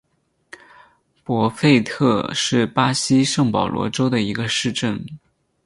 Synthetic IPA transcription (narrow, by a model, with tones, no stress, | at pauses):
pwɔ˧˥fe˥˧ɪt̪ʰɤ˥˧ʂɻ̩˥˩pa˥ɕi˥ʂɤ˥˩ŋpɑ˨˩ʊlwɔ̰˧˥ʈ͡ʂo˥ʊd̪ə˨i˧˥ɡə˧ʂɻ̩˥˧ʈ͡ʂə˥˩n